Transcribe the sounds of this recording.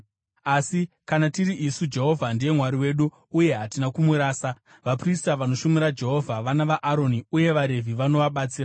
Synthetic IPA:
asi | kanatiɾiʔisud͡ʒe̞ɦo̞vʱandije̞mwaɾiwe̞ːɗuː | je̞ɦatinakumuɾaːsa | ʋapristaʋano̞ʃumiɾad͡ʒe̞ɦo̞vʱaʋanaʋaʔːɾo̞niuje̞ʋaɾe̞vʱiʋano̞ʋaɓat͡siːra

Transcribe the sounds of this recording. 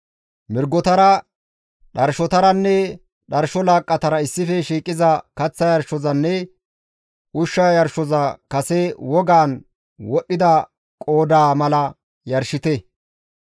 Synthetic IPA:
mɪɾɡɔt̪ɐɾɐ | ɗɐɾʃɔt̪ɐɾɐnːɛ | ɗɐɾʃɔlaːkʼːɐt̪ɐɾɐɪsːɪfɛʃiːkʼːɪzɐkɐt͡sːɐjɐɾʃɔzɐnːɛ | ʔʊʃːɐjɐɾʃɔzɐkɐsɛwɔɡaːn | wɔɗːɪd̪ɐ | kʼo̞ːd̪aːmɐlɐ | jɐɾʃɪt̪ɛ

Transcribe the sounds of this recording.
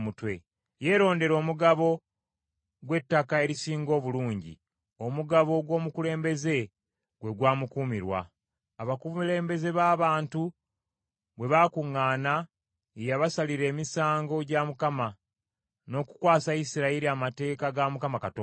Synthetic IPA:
mutwe̞ | je̞ːɾo̞ːnde̞ɾo̞ːmuɡaβo̞ | ɡwe̞tːakae̞ɾisiːŋɡo̞ːβuluːɲɟḭ | o̞muɡaβo̞ɡwo̞ːmukule̞ːmbe̞ze̞ | ɡwe̞ɡwaːmukuːmiɾwa̰ː | βakumile̞ːmbe̞ze̞βaːβaːntu | βwe̞βakuŋːaːna | ejaβasaliɾe̞ːmisaːŋɡo̞ɟamukama | no̞ːku̥kwaːsaisiɾaiɾiamate̞ːkaɡamukamakatː

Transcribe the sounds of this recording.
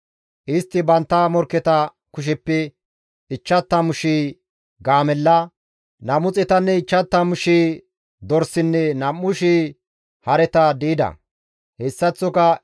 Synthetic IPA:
ʔɪst̪ːɪbɐnt̪ːɐmɔɾkːɛt̪ɐ | kʊʃ̬ɛpːɛ | ɪt͡ʃːɐt̪ːɐmʊʃiː | ɡaːmɛlːɐ | nɐmʊt͡sʼɛt̪ɐnːɛɪt͡ʃːɐt̪ːɐmʊʃiː | d̪ɔɾsɪnːɛnɐmːʊʃiː | hɐɾɛt̪ɐd̪iːd̪ɐ̰ | hɛsːɐt͡sːɔkɐ

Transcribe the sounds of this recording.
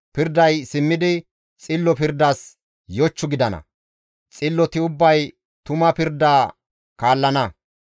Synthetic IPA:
pɪɾd̪ɐjsɪmːɪd̪ɪ | t͡sʼɪlːɔpɪɾd̪aːs | jɔt͡ʃːʊɡɪd̪ɐnɐ̰ | t͡sʼɪlːɔt̪ɪʊbːɐj | t̪ʊmɐpɪɾd̪aː | kaːlːɐnɐ

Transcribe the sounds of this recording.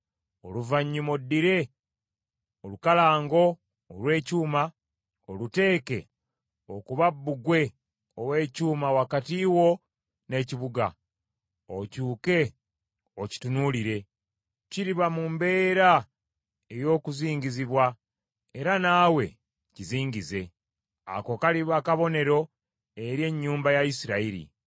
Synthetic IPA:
o̞̰luvaɲːumodːiɾe̞ | olukalaːŋɡo̞ː | lwe̞ːcuːma | olute̞ːke̞̰ | o̞kuβabːuɡwe̞ | owe̞ːcuːmawakatiwo̞ | ne̞ːciβuɡa̰ | ocuːke̞ | oci̥tunuliɾe̞ | ciɾiβamumbe̞ːɾa | e̞jo̞ːkuziːɲɟiziβwa | e̞ɾanaːwe̞̰ | ciziːɲɟize̞ | a̰ko̞kaliβakaβo̞ne̞ɾo̞ | e̞ɾje̞ɲːuːmbajaisiɾaiɾḭ

